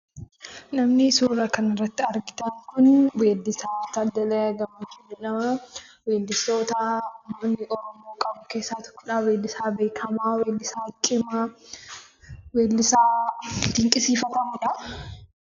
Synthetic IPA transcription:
nɐmnɪsuːɾɐkɐnɪrːɐt̪ːɪɐɾɡɪt̪ɐŋkʊnweːd̪ːɪsaːt̪ɐd̪ɐlɐjɐɡɐmɐt͡ʃʊd͡ʒɛnɐmɐweːnd̪ɪso̞ːt̪ɐmoːnːɪʔɔɾɔmoːkʼɐbʊke̞ːsːaːt̪ɔ̥kːɔ̥ᶑaːweːd̪ːɪsaːbe̞ːkʰɐmaweːlːɪsaːt͡ʃʼɪma | weːlːɪsaːd̪ɪŋkʼɪsiːfɐt̪ɐmʊᶑɐ

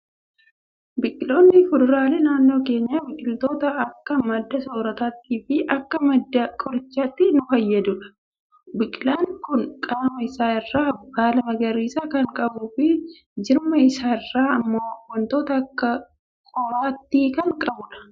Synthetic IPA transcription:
bɪkʼːɪlo̞ːnːɪfʊd̪ʊɾaːleːnaːnːo̞ːke̞ːɲːaːbɪkʼɪlt̪o̞ːt̪ɐɐkːɐmɐd̪ːɐsoːɾɐt̪aːt̪ːiːfɪʔɐkːɐmɐd̪ːɐkʼɔɾɪt͡ʃːaːt̪ːɪnʊfɐjːɐd̪ʊᶑɐ̥ | bɪkʼɪlaːŋkʊŋkʼaːmɐɪsaːɪrːaːbaːlɐmɐɡɐɾiːsakɐŋkʼɐbuːfɪ | d͡ʒɪɾmɐɪsaːɪrːaːɐmːoːwɐnt̪o̞ːt̪ɐkːɐ | kʼɔɾaːt̪ːiːkɐŋkʼɐbʊᶑɐ̥

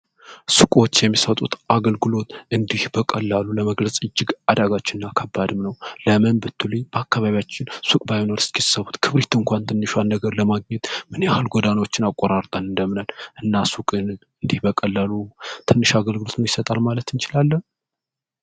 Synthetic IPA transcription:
sukʼo̞t͡ʃːjɛmːisət̪ʼṵt̪aɡəlɡɨlo̞t̪ɨnd̪ihbəkʼəlːaluləməɡləsʼɨd͡ʒːɪɡad̪aɡat͡ʃːɪnɨnːakʰəbːad̪ɨmnəwləmɨnbɨt̪ʰːulib̥əakːaβaβijat͡ʃːɪnsukʼbajnoɾɨst̪kisːəβut̪kʰɨβɾit̪ɨŋkʷʰant̪ʰɨnːɨʃanːəɡəɾləmaɡ̚ɲɛt̪mɨnjahɨlɡʷɔd̪anwot͡ʃːɪnakʼːoɾaɾt̪ʼanɨnd̪əmnalʔɨnːasukʼɨn | ɨnd̪ihbəkʼəlːalut̪ʰɨnːɨʃaɡəlɡɨlot̪nəwjɪsət̪ʼalmalət̪ɨnt͡ʃɪlalːən

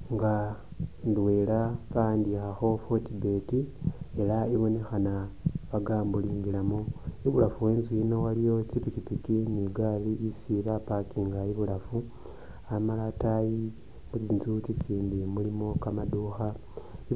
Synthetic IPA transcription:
ŋɡa | ndwe̞laβaandixaxo̞fo̞tibe̞tie̞laiβo̞ne̞xanaβaɡaːmbuliːŋɡilamoiβulafuwe̞ːnzuino̞walijo̞t͡ʃipikipikiniɡaliʔisiβapakiŋɡaiβulafu | amalataji | mut͡sinzut͡sit͡siːmbimulimo̞kamaduːxa | i

